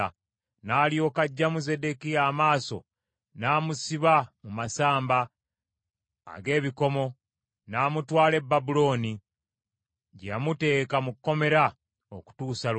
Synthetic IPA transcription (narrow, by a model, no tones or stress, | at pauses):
naːlio̞ːkaɟːamuze̞de̞kijaːmaːso̞̰ | naːmusiβamumasaːmba | ɡe̞ːβiko̞mo̞ | naːmutwaːle̞bːabulo̞ːni | ɟamute̞ːkamukːo̞me̞ɾa | o̰ku̥tuːsal